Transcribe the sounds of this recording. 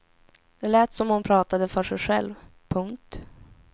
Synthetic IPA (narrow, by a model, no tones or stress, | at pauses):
d̪̥ɛlɛːt̪sɔmhʊnpʰɾɑːt̪ad̪əfœʂɛjɧɛ̰lvpʰɵŋk̚t̪